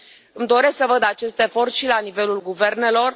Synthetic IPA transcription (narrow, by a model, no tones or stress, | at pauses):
ɨmd̪o̞ɾe̞sksəvəd̪at͡ʃe̞st̪efo̞rt̪ʃilanive̞lulɡuve̞rne̞lo̞r